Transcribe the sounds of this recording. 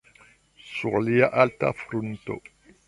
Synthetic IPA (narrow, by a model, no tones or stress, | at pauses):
suʁlijaʔalt̪a̰fɾunt̪o̰